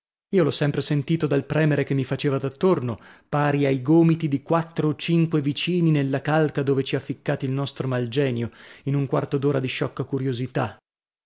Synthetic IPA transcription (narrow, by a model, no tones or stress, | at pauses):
iːolɔsːɛmpɾesent̪iːt̪od̪alpɾɛːmeɾekemːifat͡ʃeːvad̪at̪ːornopaːɾiajɡoːmit̪id̪ikwat̪ːɾoːt͡ʃiŋkwevit͡ʃiːninelːakalkad̪oːvet͡ʃiafːikːaːt̪ilnɔst̪ɾomald͡ʒɛːnjoinuŋkwa̰rt̪od̪oːɾad̪iʃːɔkːakuɾjozit̪a